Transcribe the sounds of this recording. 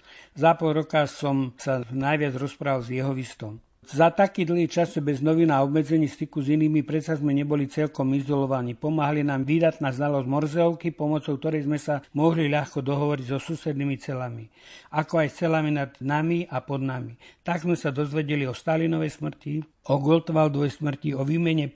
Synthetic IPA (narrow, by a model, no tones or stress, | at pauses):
zapɔlɾɔkasɔmsanajʋɪad͡zɾɔspɾaːʋalzjɛɦɔʋist̪ɔm | zat̪akiːd̪l̩ɦiːt͡ʃazd͡ʒɛbɛznɔʋinaɔbmɛd͡zɛɲiːst̪ikuziniːmipɾɛt̪sazmɛɲɛbɔlit͡sɛʎkɔmizɔlɔʋaɲiːpɔmaɦalinaːmʋiːd̪at̪naːznalɔzɟmɔɾzɛɔʊkipɔmɔt͡sɔʊk̚t̪ɔɾɛjzmɛsamɔɦliʎaxkɔd̪ɔɦɔʋɔɾiɟzɔsuːsɛd̪nimit͡sɛlami | akɔajst͡sɛlaminad̪namiʔapɔd̪namit̪aɡzmɛsad̪ɔzʋɛɟɛliɔst̪aːlinɔʋɛjsmr̩ci | ɔɡɔlt̪ʋald̪ʋɔjsmr̩ciɔʋiːmɛɲɛ